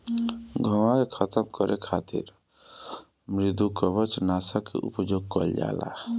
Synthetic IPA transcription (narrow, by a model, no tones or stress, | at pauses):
ɡʱəwakekʰət̪əmkəɾekʰat̪ḭɾ | mɾid̪ukəbət͡ʃnasəkːḛʔṵpd͡ʒoɡ̚kɔld͡ʒa̰la̰